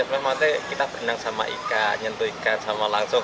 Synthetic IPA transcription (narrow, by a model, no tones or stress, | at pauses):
at̪mɛhmat̪ɛkit̪apənaŋsama̰ʔḭkaɲənt̪uikansamalaŋsʊŋ